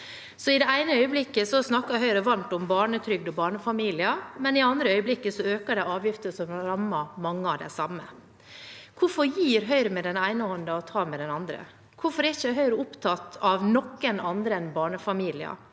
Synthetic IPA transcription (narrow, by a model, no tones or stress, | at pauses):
sɔɪd̪ɛæɪnəœʏəblɪkːəsɔsnɑkːɑɾɦœʏɾəʋɑnt̪ɔmbɑːɳət̪ʰɾʏɡ̚d̪ɔbɑːɳəfɑmiːlɪɑmɛnɪɛɑnd̪ɾəœʏəblɪkːəsɔøːkəɖɛɪɑːʋjɪft̪əsɔmɾɑmːɑmɑŋːəɑʋd̪ɛ̰sɑmːə̰ | kʰʊɾfɔɾjiːɾɦœʏɾəmɛd̪ɛnæɪnəɔnd̪ɑɔt̪ʰɑːmɛd̪ɛnɑnd̪ɾə̰ | kʰʊfɔɾɛɾçəɦœʏɾəʊpt̪ʰɑt̪ɑʋnɔkːənɑnd̪ɾəɛnbɑːɳəfɑmiːlɪɑ̰